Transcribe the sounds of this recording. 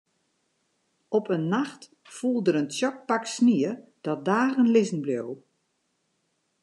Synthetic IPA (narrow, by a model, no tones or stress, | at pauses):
ɔpʰənːaxt | fulˠdəɾənsjɔk̚paksniəd̥ɔt̚daːɣənlɪzn̩bljow